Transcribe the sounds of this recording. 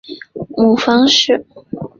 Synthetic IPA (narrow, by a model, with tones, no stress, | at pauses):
mu˥˩fɑ˥ŋʂɻ̩˥˩